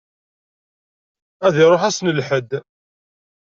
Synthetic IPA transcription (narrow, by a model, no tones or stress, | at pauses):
æðiɾˤoħæsnəlħəd̪